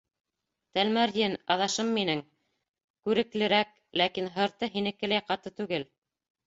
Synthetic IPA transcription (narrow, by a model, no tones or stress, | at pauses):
t̪ælmæɾjɘnɑðɑʃɤmːinɘŋ | kʉɾɘ̆klɘ̆ɾæk̚ | lækinɦɤ̆ɾt̪ɤɦinɘ̆kɘ̆læjqɑt̪ɤt̪ʉɡɘl